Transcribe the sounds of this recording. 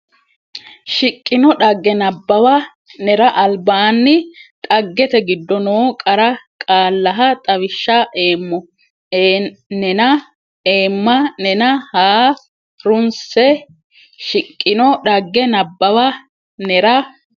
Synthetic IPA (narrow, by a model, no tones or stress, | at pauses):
ʃɪkʼːɪnɔɗɐɡːɛnɐbːɐwɐ | nɛɾɐʔɐlbaːnːɪt̪ʼɐɡːɛt̪ɛɡɪd̪ːɔnoːkʼɐɾɐkʼaːlːɐɦɐt̪ʼɐwɪʃːɐʔeːmːɔ | nnɐ | eːmːɐnɛnɐhaː | ɾʊnsɛ | ʃɪkʼːɪnɔɗɐɡːɛnɐbːɐwɐ | nɛɾɐ